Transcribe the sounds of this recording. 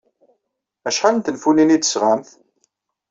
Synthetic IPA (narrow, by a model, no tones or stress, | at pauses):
æʃħalənt̪ənfuninid̪əsʁamθ